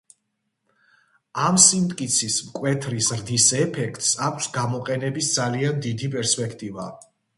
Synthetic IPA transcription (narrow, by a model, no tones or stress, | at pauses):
amsimt̪ʼkʼit̪sʰismkʼwɛt̪ʰɾisɾd̪isɛpʰɛkʰt̪ʼsakʷʰsɡamɔqʼɛnɛbisd̪zaliand̪id̪ipʼɛɾspʼɛkʰt̪ʼiva̰